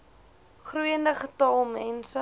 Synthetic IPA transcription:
χruəndəχətɐlˠmɛnsə

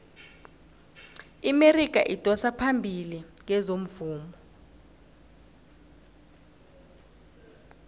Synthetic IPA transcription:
imerik̬ʼa̰ʔitʼɔsapʰambʱiliŋɛzom̩vuːmɔ

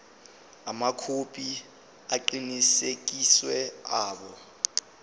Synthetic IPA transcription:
amakʰopʰʼi | aǃinisek̬iswɛaːɓɔ

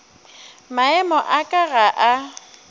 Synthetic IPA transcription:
maɛmɔʔakʼaɣaʔa

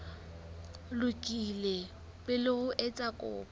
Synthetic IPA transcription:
lʊkʼile | pʼɪlɪɣʊʔɛt͡sʼakʼɔ̰ːba

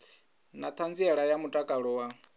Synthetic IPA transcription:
nat̪ʰand͡ziɛɺajamutʼakʼaɺɔwa

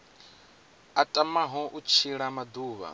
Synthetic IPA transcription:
atʼamaɦɔʔut͡ʃʰiɺamad̪uːβa̰

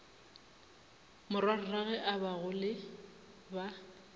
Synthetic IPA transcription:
mʊrwar̩raɣɛʔabaɣʊlɪ | ba

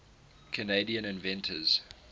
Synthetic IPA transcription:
kʰəneɪdiə̃nɪ̃nvɛ̃ntʰəz̥

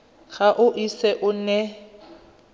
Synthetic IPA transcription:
ɣaʔʊʔisɛʔʊnɛ

